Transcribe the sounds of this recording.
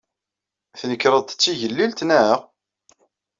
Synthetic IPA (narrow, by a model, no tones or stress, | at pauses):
θnəkːɾəðˤt̪ə̥t͡sːiʝəlːilt̪næəʁ